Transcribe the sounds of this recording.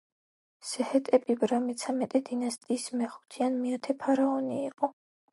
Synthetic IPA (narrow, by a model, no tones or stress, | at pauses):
sɛhɛt̪ʼɛpʼibɾamɛt̪sʰamɛt̪ʼɛd̪inast̪ʼiːsmɛχu̥t̪ʰianmiat̪ʰɛpʰaɾaɔniːqʼɔ